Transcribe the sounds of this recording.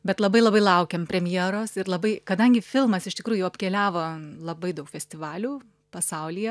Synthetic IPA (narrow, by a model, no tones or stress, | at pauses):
bʲɛt̪lˠɐbɐɪlˠɐbɐɪlˠɐʊkʲɛmpʲɾʲɛmʲjeːɾoːsɪɾlˠɐbɐɪkɐd̪ɐŋʲɡʲɪfʲɪlˠmɐsɪʃʲt̪ʲɪkɾuːjʊʊɐpʲkʲɛːlʲæːʋoːlˠɐbɐɪd̪ɐʊkfʲɛsʲt̪ʲɪʋɑːlʲuː | pɐsɐʊlʲiːjɛ